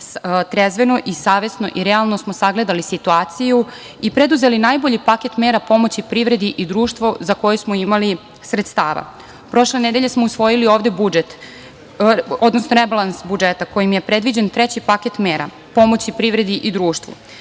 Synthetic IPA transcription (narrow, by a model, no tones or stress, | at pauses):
t̪ɾezʋe̞no̞ʔisaːʋe̞sno̞ʔiɾealˠnosmo̞saɡle̞d̪alisit̪uaːt̪siju | ipɾe̞d̪uze̞linaːjbo̞ʎipake̞t̪meːɾapo̞mo̞t͡ɕipɾiʋɾe̞d̪iʔid̪ɾuːʃt̪ʋozako̞jusmoimali | sɾet̪st̪aːʋa̰ | pɾo̞ʃle̞ned̪e̞ʎe̞smo̞usʋo̞jilio̞ːʋd̪e̞bud͡ʒet̪ | od̪nosnoɾebalˠansbud͡ʒet̪ako̞jimje̞pɾed̪ʋid͡ʑent̪ɾet͡ɕipaket̪meːɾa̰ | po̞mo̞t͡ɕipɾivɾe̞d̪iʔid̪ɾuːʃt̪ʋṵ